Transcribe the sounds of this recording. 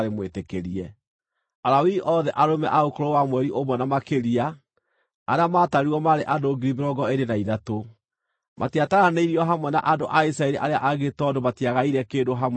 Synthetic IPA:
ɾemwetekeɾiɛ | aɾawiʔɔðɛʔaɾomɛ̰ʔaokoɾowamwɛɾiʔomwɛnamakeɾia | aɾeamaːtaɾiwɔmaɾeʔadoːɡiɾimeɾɔɡɔeɾenaiðato | mʔatiataɾaneiɾiɔɦamwɛna̰ʔadoʔaisɾaeɾiʔaɾea̰ʔaɣetɔdomatiaɣaiɾɛkeːndoɦamw

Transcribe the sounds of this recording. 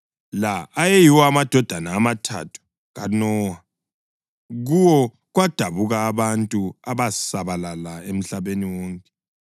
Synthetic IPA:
laːjejiwɔamad̥ʱɔd̥ʱanaːmatʰa̰tʰu̥ | ɣanɔwa | ɣuwɔ | ɣwad̥ʱaβuɣaːβantʼuaβasaβalalaem̩ɬaβeniwɔːŋkʼɛ

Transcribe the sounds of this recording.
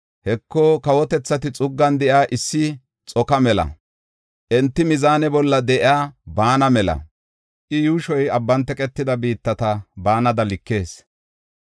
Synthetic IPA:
hɛkːɔkɐwɔt̪ɛt͡sːɐt̪ɪt͡sʼʊɡːɐnd̪ɛʔjaːʔɪsːɪ | t͡sʼɔkɐmɛlɐ̰ | ʔɛnt̪ːɪmɪzaːnɛbɔlːɐd̪ɛʔɪaːbaːnɐmɛlɐ̰ | ʔɪjuːʃɔjɐbːɐnt̪ɛkʼɛt̪ːɪd̪ɐbiːt̪ːɐt̪ɐbaːnɐd̪ɐlɪkːe̞ːs

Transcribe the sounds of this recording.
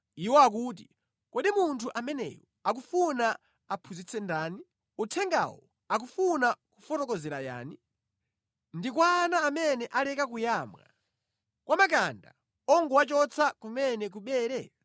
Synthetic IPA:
iwɔak̬uːt̬i̥ | kɛɗimuntʰuʔamɛnɛ̰jɔ | ak̬ufuna | apʰuzit͡sʰɛndaːni | utʰɛŋɡa̰wɔ | ak̬ufunakufɔtɔkɔzɛɾaja̰ːni | ndikwaːnaːmɛnɛʔalɛkak̬ujaːmŋa̰ | kwamak̬anda̰ | ɔŋɡuwat͡ʃɔt͡sʰakumɛnɛk̬uɓɛːɾɛ

